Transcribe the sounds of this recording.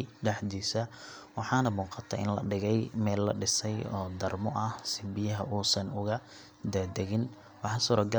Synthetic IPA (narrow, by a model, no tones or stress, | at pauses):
ɖɐħd̪iːsɐwɑħɑːnɐmuːqɑt̪ʰɐʔɪ̰nlɐ̰ɖɪɣɛjmɛːlːɐ̰ɖɪsɛjɔːd̪ɐrmɔʔɐhsɪbɪjɐɦɐuːsɐnʊɣɐ | d̪aːd̪ɛɣɪn | wɑħɑsuːɾɐɡɐ